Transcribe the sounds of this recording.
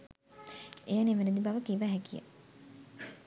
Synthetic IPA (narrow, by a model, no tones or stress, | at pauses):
ejaneʋened̪ibaʋəkiʋæɦɛkijə̰